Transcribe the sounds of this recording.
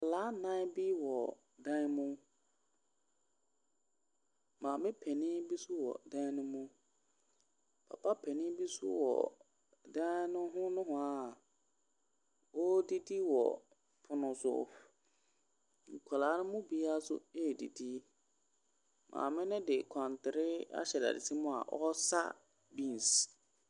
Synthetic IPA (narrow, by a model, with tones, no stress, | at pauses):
a˨laː˨˦nã˦bi˦wɔ˨ | dã˦n˦mʊ̃˦ | mãː˨mɪ̃˦pʰɛ˨nɪ̃˦bi˦su˦wɔ̰˨dã˦nʊ̃˦mʊ̃˦ | pʰa̰˨pʰa˦pʰɛ˨nɪ̃˦bi˦sṵ˦wɔ̰˨ | dã˦nʊ̃˦ɦʊ̃˦nʊ̃˦ɦʊ̃˦a˦˨ | wɔ˦di˦di˦wɔ̰˨ | pʰʊ˨nʊ̃˨sʊ̰˦˨ | ŋ̩˨kʷʰa˨laː˨˦nʊ̃˦mʊ̃˦bi˦a˦sʊ̰˦e˦˨di˨di˦ | mʔã̰ː˨mɪ̃˦nɪ̃˦dɪ˨kʷʰã˨ntʰɪ˨ɾɪ˦a̰˦ɕɛ˨da̰˨dɪ̰˨tʰi˦mʊ̃˦a̰˨ʔɔ˦sa̰˦ | bĩ˦n˨s